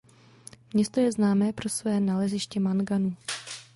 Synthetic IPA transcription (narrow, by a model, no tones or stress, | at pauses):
mɲɛst̪o̞jɛznaːmɛːpɾo̞svɛːnalɛzɪʃcɛmanɡanuː